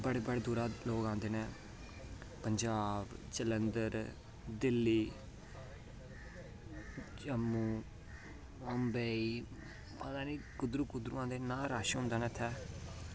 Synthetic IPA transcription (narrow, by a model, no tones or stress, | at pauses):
bəɽeːbəɽeːd̪uːɾaːloːkãːnd̪eːnɛ̃ː | pəɲd͡ʒaːbt͡ʃələnd̪əɾ | d̪ɪlːiː | t͡ʃəmːuː | əmbeːiː | pəd̪ãːniːkʊd̪ɾuːkʊd̪ɾṵːãːnd̪eːnaːɾaːʃɦʊ̃nd̪aːnɛːt̪ʰɛː